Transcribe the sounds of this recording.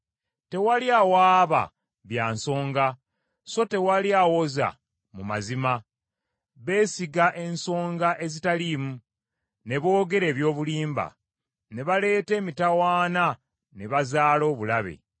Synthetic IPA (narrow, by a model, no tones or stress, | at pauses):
te̞waljawaːβa̰ | βjaːnso̞ːŋɡa | so̞te̞waljaːwo̞za̰ | mumazima | βe̞ːsiɡaʔe̞nso̞ːŋɡaʔe̞zitalimu | ne̞βo̞ːɡe̞ɾe̞ːβjo̞ːβuliːmba̰ | ne̞βale̞ːte̞ːmitawaːna | ne̞βazaːlo̞ːβulaβḛ